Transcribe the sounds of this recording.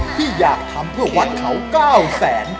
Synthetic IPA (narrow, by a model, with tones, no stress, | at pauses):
t̪ʰiː˥˩jaː˨˩k̚t̪ʰa˧mpʰɯ˥˩ɐwa˦˥t̪̚kʰa˦˥wkaː˥˩wsɛː˩˦n